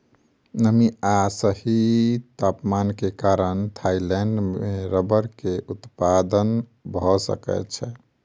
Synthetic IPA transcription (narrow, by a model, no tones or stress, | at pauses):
nəmiasəɦit̪apmankekaɾənt̪ʰailɛɳɖmeɾəbəɾkeʔut̪pad̪ən | bʱɔsə̰kɛ̰t͡ʃʰɛ